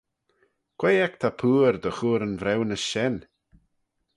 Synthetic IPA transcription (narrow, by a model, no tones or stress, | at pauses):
kʰwejɛk̚t̪ʰapʰuːɾd̪əxuːɾənvɾɛwnəsʃɛn